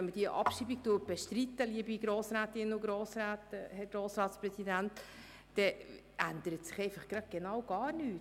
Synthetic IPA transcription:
ɛnməd̥iəʔɑ̰pʃiːbik̚tuːt̚b̥ɛʃt̪ɾit̪ːəliəbiɡɾoːsɾæːt̪ɪnʊɡɾoːsɾæːt̪hɛɾɡɾoːsɾɑːtsprɛsidæntː | ɛ | ʔænd̪əɾətsɪ̥χɛɪfɑχɡ̥ɾɑd̪̚ɡ̥ɛnɑwɡ̥ɑːɾnyːt

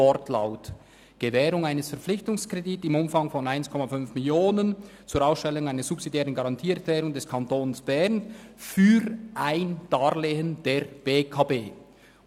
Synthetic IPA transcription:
ɔɾtʰlaʊt | ɡ̥əvɛːɾʊŋaɪnəsfɛɐp͡flɪçtʊŋskr̥editɪmʊmfɑŋfɔnaɪnskʰɔmafʏnfmɪljoːnənt͡suːɾaʊsʃtɛlʊŋaɪnəz̥upsidjɛːʁənɡaʁɑntʰiːɛklɛːʁʊŋdɛskʰantoːnsb̥ɛʁnfyːɾʔaɪnd̥aːʁleːənd̥eːɾb̥eːkʰaːbeː

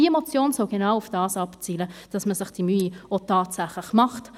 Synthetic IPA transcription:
iemɔt͡sjoːnsɔʊɡ̥enawʊfd̥ɑːsɑpt͡siːləd̥ɑsməsɪχd̥imyːiotɑːtsæχlɪχmɑχt

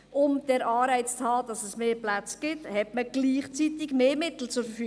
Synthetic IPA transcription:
ʔʊmd̥ɛɾʔɑːɾɛɪt͡st͡shɑːd̥ɑsɛsmeːplæt͡sɡ̥ɪt̪hɛtməɡ̥liːχt͡sit̪ɪɡmeːmɪt̪l̩t͡sʊɾfəfy

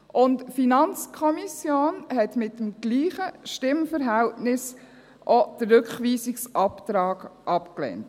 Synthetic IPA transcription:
ʔʊntfinɑnt͡skʰɔmisjoːnhɛtmɪtːəm̩ɡ̥liːχəʃtɪmfəɾɦæltnɪs | ʔɔd̥əɾːɵkχʋiːsɪksʔɑptɾɑːɡʔɑpklɛ̰nt

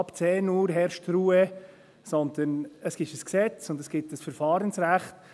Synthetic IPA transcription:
ɑpt͡sɛːnuːɾɦɛɾʃtruːə | sɔnd̪ənəsɡ̥ɪʃəsksɛt͡sʊndəsɡ̥ɪtəsfəɾfɑːɾənsɾæχt

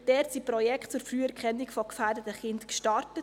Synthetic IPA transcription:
d̥ɛːtsipɾɔjɛkχtt͡sʊɾfryːɛɾkʰχɛnːikfɔkfæːɾdətəχɪntkʃtɑrtət

